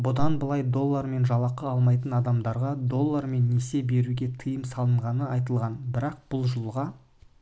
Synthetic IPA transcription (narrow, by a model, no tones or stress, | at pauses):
bʊd̪ɑnbəlˠɑjd̪o̞lˠːaɾme̞nʒɑlˠɑqəɑlˠmɑjt̪ənɑd̪ɑmd̪ɑɾʁɑd̪o̞lˠːaɾme̞nːese̞be̞ɾuɡʲe̞t̪ʰəjəmsɑlˠəɴʁɑnəɑjt̪əlˠʁɑnbɪɾɑq̚b̥ʊlˠʒəlˠʁɑ